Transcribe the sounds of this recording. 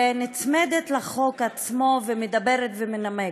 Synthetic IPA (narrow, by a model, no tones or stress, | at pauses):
nit͡smed̪et̪laχo̞kat͡smo̞vemed̪abeʁet̪vemename